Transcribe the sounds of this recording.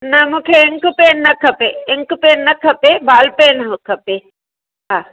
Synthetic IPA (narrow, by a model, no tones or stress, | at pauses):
nɐmũːkʰeɪŋkpeːnːɐkʰɐpeɪŋkpeːnːɐkʰɐpebaːlpeːnɐɦkʰɐpe | ɦaː